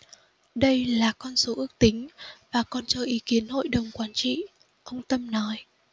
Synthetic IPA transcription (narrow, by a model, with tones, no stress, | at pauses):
ɗə˧jlaː˨˩kɔ˧nso˨˦ʔɨ˦˥ək̚t̪ï˨˦ŋ̟vaː˨˩kɔ˨˩nt͡ɕəː˧˩ʔi˨˦ki˨˦ənɦo̰˧˨jɗə˨˩wŋ͡mkwaː˨˦nt͡ɕḭ˧˨ | ʔə˧wŋ͡mt̪ə˧mnɔ˨˦j